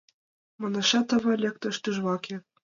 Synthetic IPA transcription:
mɤ̆nɤ̆ʃɑt̪ɤ̆βɤ̆lʲek̚t̪ɤ̆ʃt̪yʒβɑkʲĕ

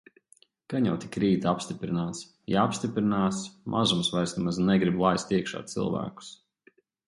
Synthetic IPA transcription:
kanjawt̪ʲi̥kɾiːt̪aapst̪ipɾinaːt̪s | jaapst̪ʲipɾinaːsmʔazumsvajɾsnɛmaznɛɡɾiblˠajst̪iɛkʃa̰ːt̪sḭlˠvæ̰ːku̥s

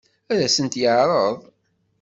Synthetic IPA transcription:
æɾæsənt̪jəʕɾˤəðˤ

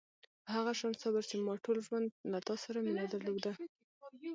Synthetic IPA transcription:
haɣaʃɑnsabaɾt͡ʃemɑʈolʒwand̪lat̪ɑsaɾamɪnɑd̪aɾlod̪a

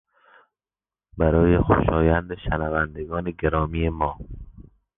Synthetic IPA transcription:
bæɾɒːjexo̰ʃɒːjænd̪eʃænævænd̪eɡɒːneɡeɾɒːmiːjemɒː

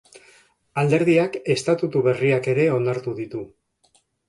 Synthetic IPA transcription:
ald̪e̞ɾð̞iake̞st̪at̪ut̪uβe̞riake̞ɾe̞o̞naɾt̪uðit̪u

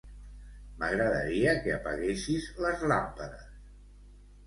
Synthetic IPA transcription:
məɣɾəðə̰ɾiəkeəpə̰ɣesizləzlampəðəs

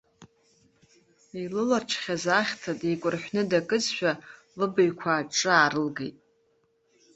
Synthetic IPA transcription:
ilɨlarʈ͡ʂʰχʲazaχʲtʰatʼekʷʼʊrħʷᶣnɨdakʼɨt͡sʃʷᶣa | lɨbɨjkʷʰaːʈ͡ʂʼɨaːɾɨlɡejtʼ

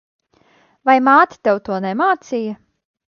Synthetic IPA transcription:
vajmaːt̪ʲi̥t̪ɛwt̪uɔnɛmaːt̪sijɐ

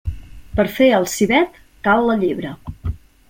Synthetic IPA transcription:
pəɾfeəlˠsiβɛt̪ | kalˠːəʎiβɾə

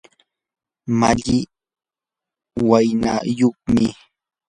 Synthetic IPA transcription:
maʎɪ | wajna̰joχmɪ

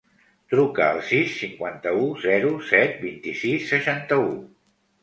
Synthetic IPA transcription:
t̪ɾukəːlˠsisːiŋkwant̪əuzɛɾusɛt̪̚bint̪isisːəʃant̪əu

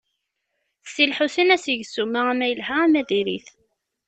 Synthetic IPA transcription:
sːilħuθənæsəʝsumaæmæjəlɦææmæðiɾḭθ

